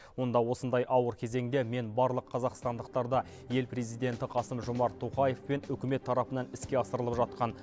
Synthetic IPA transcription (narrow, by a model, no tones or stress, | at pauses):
wo̞nd̪ɑwo̞sənd̪ɑjʔɑwəɾkʲʰe̞ze̞ŋd̪e̞me̞nbɑɾlˠəqʰːɑzɑqst̪ɑnd̪əqt̪ɑɾd̪ɑ | je̞lpɾe̞zijd̪ʲe̞nt̪ɪqʰɑsəmʒʊmɑɾt̪ʰːoqɑje̞fpe̞nʏkʲɪme̞t̪ʰːɑɾɑpənɑnɪskʲe̞ɑsəɾəlˠəpʒɑt̪̚qɑn